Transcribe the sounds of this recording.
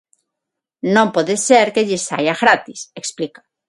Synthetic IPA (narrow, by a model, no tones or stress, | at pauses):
nõmpoðeseɾkeʎesa̰jaɣɾat̪iseksplikḁ